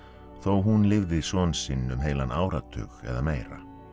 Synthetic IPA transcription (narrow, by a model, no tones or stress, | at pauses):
θowɦunlɪvðɪsɔːnsɪnːʏmɦeːjlanʔaːwɾat̪ʰʏ̰ːxɛ̰ðameːjɾa̰